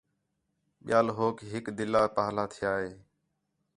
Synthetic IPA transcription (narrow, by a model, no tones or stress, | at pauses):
ɓɪ̰jaːlɦoːkɦɪkd̪ɪlːaːpaːlaːt̪ʰɪjaːɦeː